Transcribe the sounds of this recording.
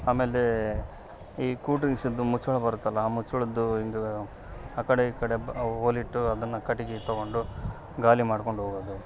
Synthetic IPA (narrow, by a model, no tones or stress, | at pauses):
aːme̞ːle | iːkuːʈɾiŋɡsid̪ːumut͡ʃːuɭɐbɐɾut̪ːɐlːɐmut͡ʃːuɭɐd̪ːuiŋɡe | aːkɐɽeiːkɐɽe̞oːliʈːuɐd̪ɐnːɐkɐʈːiɡit̪oɡo̞ɳɖu | ɡaːlimaːɽko̞ɳɖɦoːɡoːd̪u